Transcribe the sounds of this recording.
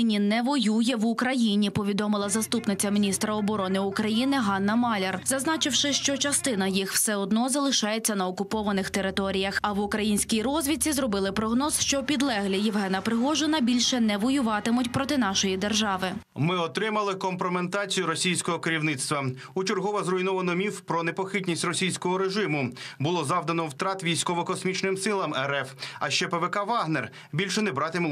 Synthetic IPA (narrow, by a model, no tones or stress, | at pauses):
ɪnʲinɛʋɔjujɛʋʊkɾɐjinʲipɔʋʲid̪ɔmɪlˠɐzɐst̪upnɪt͡sʲːɐmʲinʲist̪ɾɐɔbɔɾɔnɪʊkɾɐjinɪɦɑnːɐmɑlʲerzɐznɑt͡ʃɪwʃɪʃt͡ʃɔt͡ʃɐst̪ɪnɐjixw̥sɛɔd̪nɔzɐlˠɪʃɑjet͡sʲːɐnɐɔkʊpɔʋɐnɪxt̪eɾɪt̪ɔɾʲijɐxɐʋʊkɾɐjinʲsʲkʲijɾɔzʲʋʲit͡sʲizɾɔbɪlˠɪpɾɔɦnɔzʃt͡ʃɔpʲid̪lˠɛɦlʲijɪwɦɛnɐpɾɪɦɔʒɪnɐbʲilʲʃɛnɛʋɔjʊʋɑt̪ɪmʊtʲpɾɔt̪ɪnɑʃɔjid̪erʒɑʋɪ | mɪɔt̪ɾɪmɐlˠɪkɔmpɾement̪ɑt͡sʲijʊɾɔsʲijsʲkɔɦɔkeɾʲiwnɪt̪st̪ʋɐ | ut͡ʃɪrɦɔʋɐzrɔjnɔʋɐnɔmʲiwpɾɔnepɔxɪtʲnʲisʲtʲrɔsʲijsʲkɔɦɔɾeʒɪmʊbʊlˠɔzɑwd̪ɐnɔwt̪ɾɑt̪ʋʲijsʲkɔʋɔkɔsmʲit͡ʃnɪmsɪlˠɐmɛɾɛfɐʃt͡ʃɛpeʋekɑʋɑɦner | bʲilʲʃɛnebɾɑt̪ɪmʊ